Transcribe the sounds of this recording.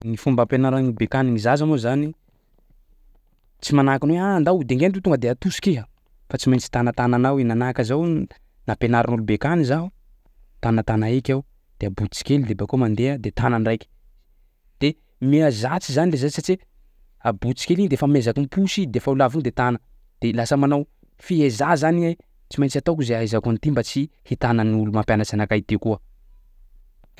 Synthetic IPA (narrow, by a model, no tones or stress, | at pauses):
nifumbapenaɾanulubekaninizazanozani | t͡simanakanweand̪awd̪eŋɡenɖ͡ʐit̪uŋɡəd̪eat̪uskiɦa | fat͡simajnt͡si̥t̪anət̪ananawenanakəzaw | napenaɾanulubekanizaɦu | t̪anət̪anaekʲau | d̪̥eabut͡si̥kʲelid̪ebakomand̪ead̪et̪ananrajkʲi̥ | d̪̥e | meazat͡sizanilezasat͡ʃi | abut͡si̥kʲeliɲid̪efamezakimpuʃid̪efaulaviɲid̪et̪anə | d̪̥elasəmanaw | fiezazania | t͡simajɲt͡sat̪akuzeajzakunit̪imbat͡sihit̪anəniulumampjanət͡sanakait̪ikuə